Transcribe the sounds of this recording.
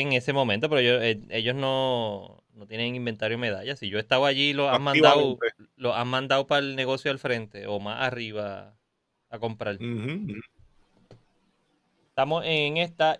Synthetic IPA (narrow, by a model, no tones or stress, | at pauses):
eŋe̞se̞mo̞ment̪o̞peɾoejoee̞ʝo̞sno̞ | no̞t̪je̞neŋimbe̞nt̪aɾjome̞ðaʝasiʝo̞est̪awaʝilo̞amãnd̪awlo̞sammãnd̪awpaelne̞ɣo̞sjoalfɾe̞nt̪e̞ʔo̞ma̰ʔariβa | ako̞mpɾal | eht̪amoseŋest̪a